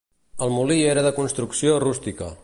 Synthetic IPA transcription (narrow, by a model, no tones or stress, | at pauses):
əlˠmulieɾəðəkunst̪ɾuksiorust̪ikə̰